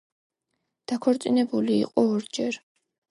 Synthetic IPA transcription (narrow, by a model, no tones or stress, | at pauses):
d̪̥akʰɔɾt̪sʼinɛbulḭːqʼɔɔɾd͡ʒɛɾ